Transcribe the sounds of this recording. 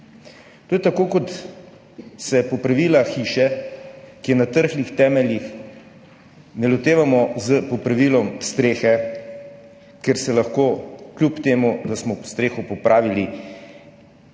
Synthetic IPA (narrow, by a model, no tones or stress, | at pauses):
t̪oːjɛt̪akoːkɔt̪ | sɛpɔpɾaʋiːlaxiːʃɛ | kijɛnat̪əɾxlixt̪ɛːmɛljix | nɛlɔt̪eːʋamɔzəpɔpɾaʋiːlɔmst̪ɾeːxɛ | kɛɾsɛlɐxkoːklʲjupt̪eːmud̪asmɔst̪ɾeːxupɔpɾʔaːʋili